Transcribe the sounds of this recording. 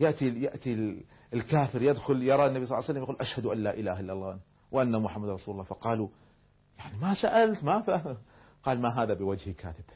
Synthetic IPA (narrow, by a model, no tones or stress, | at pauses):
jaʔt̪ijaʔt̪i | ɪlkaːfɪɾjɪd̪xʊljɑɾˤɑnːabisˤlːsalːamjɪquːlʔaʃhad̪ʔanlaːʔɪlaːhaʔɪlːalˤːɑːn | wʔanːamʊħamːad̪ɾˤɑsuːlʊlːɑːfɑqɑːlu | jaʕnimasaʔalt̪mafa | qɑːlmaɦaːðabɪwad͡ʒhika̰ːθɪb̥